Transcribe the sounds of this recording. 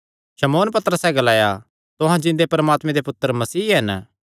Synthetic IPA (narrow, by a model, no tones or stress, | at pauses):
ʃɐmoːnpɐt̪əɾəsɛɡɐlaːja | t̪ʊɦãd͡ʒɪ̃nd̪epɐɾəmaːt̪mẽd̪epʊt̪ːəɾmɐsiːɦɐn